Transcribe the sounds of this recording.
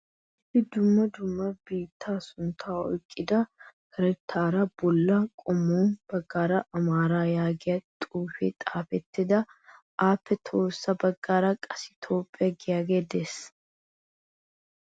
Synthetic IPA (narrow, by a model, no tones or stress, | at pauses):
ɪfɪd̪ʊmːɐd̪ʊmːɐbiːt̪ʰːaːsʊnt̪ʰaːɔ̰jkʼːɪd̪ɐhɐɾɛt̪ʰːaːɾɐbɔlːɐkʼɔmːoːnb̥ɐɡːaːɾɐʔɐmaːɾaːjaːɡɪjɐt̪ʼuːfḛt̪ʼaːfɛt̪ːɪd̪ɐ | ʔaːpːɛt̪ʰo̞ːsːɐbɐɡːaːɾɐkʼɐsɪ̥t̪ʰo̞ːpʼːɪjɐɡɪjaːɡeːd̪es